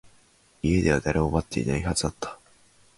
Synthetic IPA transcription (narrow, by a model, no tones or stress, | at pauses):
ie̞d̪e̞βad̪aɾʔe̞omat̪ːe̞ḭnaihazɨd̪at̪ːḁ